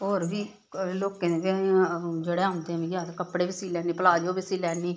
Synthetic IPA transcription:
oːɾbiː | loːkeːneːbĩ | d͡ʒeːɽeːaʊ̃nd̪eɛ̃ːmiːɡaːt̪kəpːɽeːbɪsiːlɛːniːpəlaːd͡ʒoːbɪsiːlɛːniː

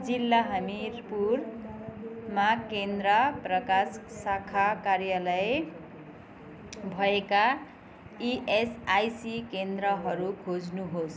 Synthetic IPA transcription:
d͡zilːaɦʌmirpur | makend̪rʌprʌkassakʰakarjalʌje | bʱʌeka | iʔesajsikend̪rʌɦʌɾukʰod͡znuɦos

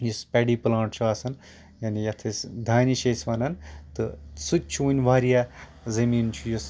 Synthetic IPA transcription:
jispʲeɖiːplãːɳʈt͡ʃʰuaːsɐn | jaːnijɐt̪ʰɐsd̪ʱaːniʃeːsʋaːnɐnt̪ɨsutʲt͡ʃʰunʲʋaːɾija | zɐmiːnt͡ʃʰujus

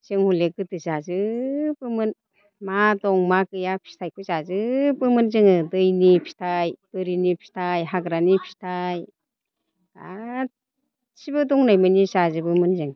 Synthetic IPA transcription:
t͡ʃɯŋhuleɡɯtɯzazɯbɯmɯn | madɔŋmakɯjapʰi̥tʰajkʰɔzazɯbɯmɯnzɯŋɯdɯjnipʰi̥tʰajbɯɾinipʰi̥tʰajɦaɡɾanipʰi̥tʰaj | ɡa | t͡ʃibɯdɔŋnajmɯnisazɯbɯmɯnzɯŋ

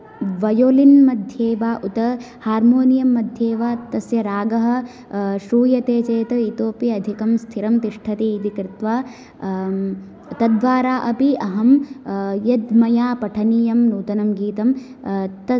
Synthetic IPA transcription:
ʋɐjoːlinmɐd̪ʱjeːʋaːʔut̪ɐ | haːɾmoːnijɐmːɐd̪ʱjeːʋaːt̪ɐsjɐɾaːɡɐɦɐ̆ | ʃɾuːjɐt̪eːt͡ʃeːt̪ɐit̪oːpjɐd̪ʱikɐmst̪ʰiɾɐmt̪iʂʈʰɐt̪iit̪ikɾɪt̪ʋaː | t̪ɐd̪ʋaːɾaːʔɐpiʔɐɦɐm | jɐd̪mɐjaːpɐʈʰɐnijɐmnuːt̪ɐnɐmɡiːt̪ɐm | t̪ɐ

